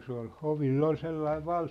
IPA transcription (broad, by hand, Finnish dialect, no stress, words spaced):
se ol hoʋilː ol selːɑiʋ